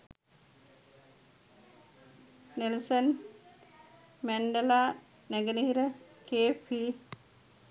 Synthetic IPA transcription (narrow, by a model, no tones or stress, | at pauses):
nilsɐn | mɛɳɖɐlaː | neɡɐniiɾə | keːpi